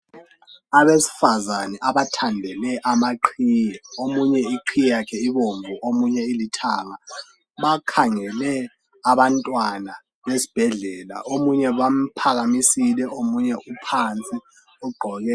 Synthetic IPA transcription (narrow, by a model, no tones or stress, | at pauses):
aɓesi̥fazanɛʔaɓatʰandʱɛlɛʔamaǃʰiːjɛomuɲɛiǃʰijjakʰɛiβoɱvʱuʔomuɲɛilitʰaŋa | ɓakʰaŋɛlɛ | aβantʼwana | ɓesi̥b̥ʱɛɮɛla̰ʔomuɲɛβam̩pʰaɣamisilɛʔomuɲɛupʰant͡sʼi | uɡ͡ǃʱɔɣɛ